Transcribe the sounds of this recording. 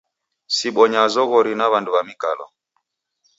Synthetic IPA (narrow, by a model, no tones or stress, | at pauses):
siɓɔɲazɔɣɔɾinaβanduβamikalɔ̰